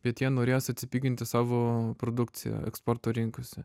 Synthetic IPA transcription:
b̥ʲɛt̪jiɛnoːɾʲeːjosɐt̪ʲsʲɪpʲiːɡʲɪnt̪ʲɪsɑːʋoːpɾoːd̪ʊkt̪sʲɪ̰jɛ̰ɛ̰kspɔɾt̪oːɾʲɪŋkoːsʲɛ

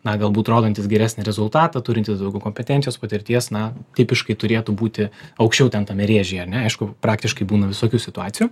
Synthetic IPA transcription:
nɐɡɐlˠbuːt̪ɾoːd̪onʲt̪ʲɪsɡʲɛɾʲæːsʲnʲɪɾʲɛzʊlˠt̪ɑːt̪ɐt̪ʊɾʲɪnt̪ʲɪsd̪ɐʊɡʲɛʊkoːmʲpʲɛt̪ʲɛnt̪ʲɪjoːspɐt̪ʲɪɾʲt̪ʲiɛsnɐt̪ʲɪpʲɪʃkɐɪt̪ʊɾʲeːt̪ʊbuːt̪ʲɪɐʊkʃʲt͡ʃʲɛʊtʲɛnt̪ɐmʲɛɾʲeːʒʲɛːɐɾnʲɛɐɪʃkʊpɾɑːkt̪ʲɪʃkɐɪbuːnɐʋʲɪsoːkʲuːsʲɪt̪ʊɑːtsʲɪjuː

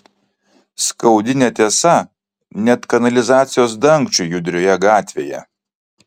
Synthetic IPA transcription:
skɐʊd̪ʲɪnʲɛt̪ʲeɛsɐ | nʲɛt̪kɐnɐlʲɪzɑːt̪sʲɪjoːsd̪ɐŋkt͡ʃʲʊjʊd̪ʲɾʲoːjɛɡɑːt̪ʲʋʲeːjɛ̰

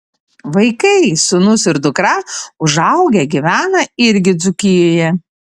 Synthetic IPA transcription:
ʋɐɪkɐɪsʊnʊsɪɾd̪ʊkɾɑʊʒɐʊɡʲɛɡʲɪʋʲæːnɐɪɾʲɡʲɪd̪zʊkʲɪjoːjɛ

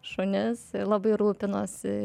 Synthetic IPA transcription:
ʃonʲɪslˠɑbɐɪɾuːpʲɪnoːs

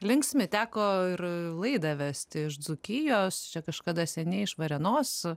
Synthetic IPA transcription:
lʲɪŋksʲmʲɪt̪ʲæːkoːɪrlˠɐɪd̪ɐʋʲæsʲt̪ʲɪɪʃd͡zʊkʲɪjoːst͡ʃʲɛkɐʃkɑd̪ɐsʲɛnʲɛɪɪʃʋɐɾʲɛnoːs

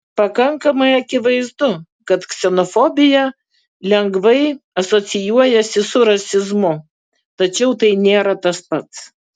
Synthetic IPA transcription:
pɐkɐŋkɐmɐɪɐkʲɪʋɐɪzd̪ʊ | kɐt̪ksʲɛnofobʲɪjɛ | lʲɛŋɡʋɐɪɐsosʲɪjuɔjɛsʲɪsʊɾɐsʲɪzmʊ | t̪ɐt͡ʃʲɛʊt̪ɐɪnʲeːɾɐt̪ɐspɐt̪s

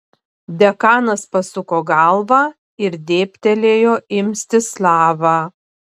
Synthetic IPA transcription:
d̪ʲɛkɑːnɐspɐsʊkoːɡɐlˠʋɑː | ɪɾd̪ʲeːpʲt̪ʲɛlʲeːjoːɪmʲsʲt̪ʲɪslˠɑːʋɑː

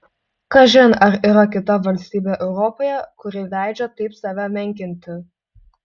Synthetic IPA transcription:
kɐʒʲɪnɐɾiːɾɐkʲɪt̪ɐʋɐlʲsʲt̪ʲiːbʲeːʔɛʊɾɔpoːjɛkʊɾʲɪlʲæˑɪd͡ʒʲɛt̪ɐɪpsɑːʋʲæmʲɛŋʲkʲɪnʲt̪ʲɪ

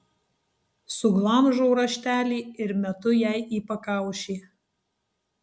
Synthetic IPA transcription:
sʊɡlˠɐmʒoʊɾɐʃʲt̪ʲæːlʲiːɪɾmʲɛt̪ʊjɛɪʔiːpɐkɑˑʊʃʲiː

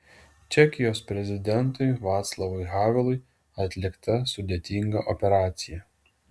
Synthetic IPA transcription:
t͡ʃʲɛkʲɪjoːspʲɾʲɛzʲɪd̪ʲɛnˑt̪ʊɪʋɑːt̪slˠɐʋoɪɣɑːʋʲɛlˠʊɪ | ɐt̪ʲlʲɪkt̪ɐsʊd̪ʲet̪ʲiŋɡɐʔɔpʲɛɾɑːt̪sʲɪjɛ

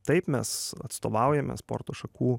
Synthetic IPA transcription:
t̪ɐɪpmʲɛsɐ̰t̪st̪oːʋɑʊjɛmʲɛ̰spo̰ːɾt̪oːʃɐkuː

